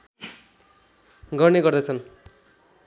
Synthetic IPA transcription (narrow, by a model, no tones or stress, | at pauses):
ɡʌrneɡʌrd̪ʌt͡sʰʌn